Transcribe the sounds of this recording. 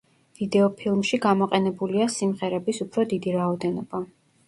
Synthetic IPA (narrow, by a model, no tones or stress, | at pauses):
vid̪ɛɔpʰilˠmʃiɡamɔqʼɛnɛbuliasimʁɛɾɛbisupʰɾɔd̪id̪iɾaɔd̪ɛnɔba